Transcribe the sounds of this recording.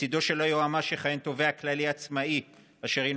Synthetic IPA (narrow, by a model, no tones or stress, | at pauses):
id̪o̞ʃe̞lojoamaʃeχajent̪o̞veaklaliat͡smai | aʃeʁin